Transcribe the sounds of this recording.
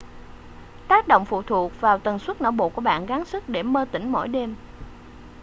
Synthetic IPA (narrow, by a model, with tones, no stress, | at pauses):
t̪aː˦˥k̚ɗo̰˧˨wŋ͡mfṵ˧˨t̪ʰu˨˩ək̚vaː˨˩wt̪ə˨˩nswə˦˥t̚no̰˧˩wɓo̰˧˨ku˧˩əɓa̰ː˧˨nɣaː˨˦nsɨ˦˥k̚ɗe˧˩məː˧t̪ï˧˩ŋ̟mo̰˧˥jɗe˧m